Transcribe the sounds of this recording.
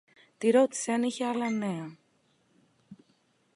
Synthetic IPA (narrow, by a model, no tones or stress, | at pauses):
t̪iɾo̞t̪i̥seɐniçeɐlɐneɐ